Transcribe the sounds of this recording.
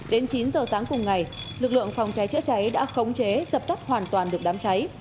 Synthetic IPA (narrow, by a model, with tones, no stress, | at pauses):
ɗe˨˦nt͡ɕi˨˦nzəː˨˩saː˨˦ŋkʊ˨˩ŋ͡mŋa˨˩jlɨ˨˩k̚lɨ̰˧˨əŋfa˨˩wŋ͡mt͡ɕa˨˦jt͡ɕɨ̰˧˥ət͡ɕa˨˦jɗa̰ː˧˥xə˨˦wŋ͡mt͡ɕe˨˦zə˨˩p̚t̪ə˦˥p̚hwaː˨˩nt̪waː˨˩nɗɨ˨˩ək̚ɗaː˨˦mt͡ɕa˨˦j